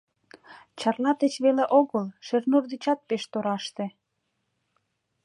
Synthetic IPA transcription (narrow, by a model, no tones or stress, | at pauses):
t͡ɕɑrlɑt̪et͡ɕβeleʔoɣəlʃernurd̪it͡ɕɑt̪̚peʃt̪oɾɑʃt̪ĕ